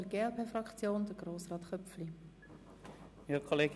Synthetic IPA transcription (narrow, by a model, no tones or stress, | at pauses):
əɾɡeːɛlpʰeːfrɑkt͡sjoːnd̪əɾɡ̥roːsrɑːt̪χœpfli | ikʰoleːɡ